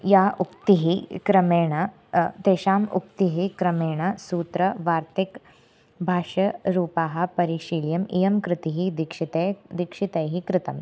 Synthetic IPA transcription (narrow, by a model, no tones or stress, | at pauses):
jaːʔukt̪iɦikɾɐmeːɳ̃ɐ | t̪eːʃaːmṵk̚t̪iɦikɾɐmeːɳ̃ɐsuːt̪ɾɐʋaːɾt̪ik | bʱaːʃɐɾuːpaːɦɐ̆pɐɾiʃiːljɐmijɐmkɾɪt̪iɦid̪ikʂit̪ed̪ikʂit̪ɐjɦikɾɪt̪ɐm